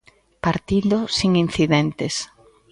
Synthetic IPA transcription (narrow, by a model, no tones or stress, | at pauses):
paɾt̪ild̪osiŋin̟θiðɛnt̪es